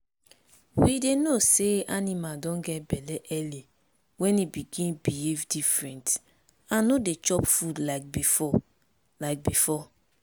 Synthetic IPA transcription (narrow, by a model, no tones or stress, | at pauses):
widenoseanimadɔ̃nɡɛt̚bɛlɛʔɛli | wɛ̃nibiɡĩnbievdifɹɛ̃nt | ãnːodet͡ʃɔpfudlaɪk̚bifɔ | laɪk̚bifɔ